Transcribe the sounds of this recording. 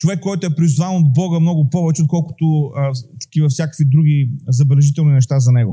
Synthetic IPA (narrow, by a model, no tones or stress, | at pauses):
t͡ʃovɛkːɔjt̪ʊɛpɾizvanod̪̚bɔɡəmnɔɡʊpɔvɛt͡ʃɛot̪̚kɔlˠkʊ̥t̪ʊt̪ɐ̥k̟ʲivɐfsjakə̥kvid̪ɾuɡʲizɐbɛlɛʒit̪ɛlˠninɛʃ̬t̪azɐnɛɡʊ